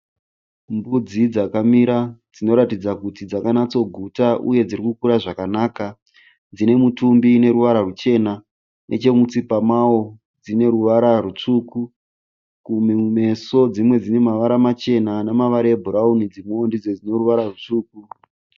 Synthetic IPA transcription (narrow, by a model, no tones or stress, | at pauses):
mbud͡zid͡zakamiɾad͡zino̞ɾatid͡zakutid͡zakanat͡so̞ɡʱutaʔṵje̞d͡zirikukuɾaʐakanaːka | d͡zine̞mutumbine̞ɾuʋaɾarut͡ʃe̞na | nʔe̞̰t͡ʃe̞mut͡sipamao̞ | d͡zine̞ɾuʋaɾarut͡ʂuku | kumeume̞so̞d͡zimwe̞d͡zine̞maʋaɾamat͡ʃe̞nanamaʋaɾaebʱuɾaunid͡zimuondid͡zed͡zino̞ruʋaɾarut͡ʂuːku